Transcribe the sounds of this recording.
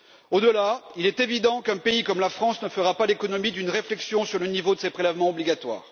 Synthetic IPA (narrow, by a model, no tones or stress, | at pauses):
od̪əlailɛt̪evid̪ɑ̃kɛ̃peikɔmlafχɑ̃snəfəʁapalekɔnɔmid̪ynʁeflɛksjɔ̃syʁlənivod̪əsepχelɛvmɑ̃ɔbliɡat̪wa̰ːʁ